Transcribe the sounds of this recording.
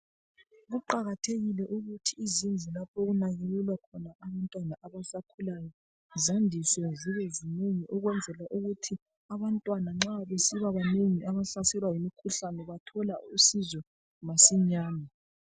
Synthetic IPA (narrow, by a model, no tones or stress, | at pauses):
ɣuǃaɣatʰeɣilɛʔuɣutʰiːzind͡zʱilapʰoɣunaɣelɛlwakʰɔnaʔaβantʼwanaʔaβasakʰulajɔ | zandʱisɔziβezineŋiʔɔɣwɛnd͡zʱɛlwaʔuɣutʰi | aβantʼwanaŋ͡ǁaβesiβaβaneŋiʔaβaɬasɛlwajimikʰuɬanɛβatʰɔlausizɔ | masiɲaːnɛ